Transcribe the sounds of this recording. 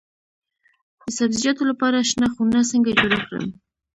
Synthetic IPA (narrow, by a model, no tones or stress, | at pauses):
d̪̥əsabzid͡ʒɑt̪olapɑɾaʃnɑxunasəŋɡad͡ʒoɾakɽə̰m